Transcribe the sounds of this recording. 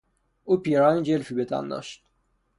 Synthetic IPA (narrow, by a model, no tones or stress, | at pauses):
uːpiɾɒːnid͡ʒelfiːbet̪ʰæ̰nd̪ɒ̰ːʃt̪̚